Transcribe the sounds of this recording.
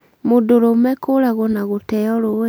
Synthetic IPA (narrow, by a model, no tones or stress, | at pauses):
modoɾomɛkoɾaɣonaɣotɛɔɾoe